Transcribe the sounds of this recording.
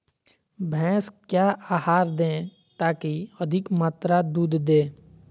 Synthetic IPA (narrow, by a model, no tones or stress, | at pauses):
bʱɛ̃ːskjaːaːhaːɾd̪ẽː | t̪aːkiəd̪ʱɪkmaːt̪ɾad̪uːd̪d̪ẽː